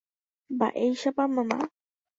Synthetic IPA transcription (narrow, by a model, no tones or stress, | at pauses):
ba̰ʔejʃapamama̰